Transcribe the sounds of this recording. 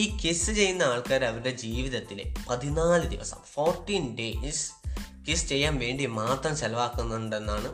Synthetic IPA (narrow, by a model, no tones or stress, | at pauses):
iːkisɨt͡ɕe̞jːunːɐaːɭkaːɾɐʋɐɾuɽe̞d͡ʑiːʋiðɐt̪ːilḛpɐðinaːlɨd̪ḭʋɐ̰sɐ̰mfoːrʈːiːnɖeːskist͡ɕe̞jːaːnʋe̞ːɳɖimaːt̪rɐmselɐʋaːkːunːɐuɳɖe̞nːaːɳɨ